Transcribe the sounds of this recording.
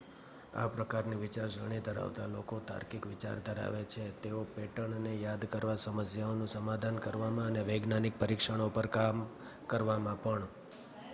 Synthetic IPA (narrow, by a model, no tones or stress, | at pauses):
a̰pɾəkaɾniʋɪt͡ʃaɾd͡ʒəɽ̃id̪ʱəɾa̰ʋt̪alokot̪a̰ɾkikʋɪt͡ʃa̰ɾd̪ʱəɾa̰ʋet͡ʃʰet̪eopeʈəɳənejad̪kəɾʋasəməsjaonũsəmad̪ʱankəɾʋamãəneʋeɡnanik̚pəɾikʃəɽ̃opəɾkam | kəɾʋamãpəɳ